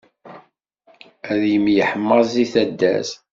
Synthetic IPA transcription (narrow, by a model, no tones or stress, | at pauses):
æðjəmjəħəmːəziθæd̪ːæ̰z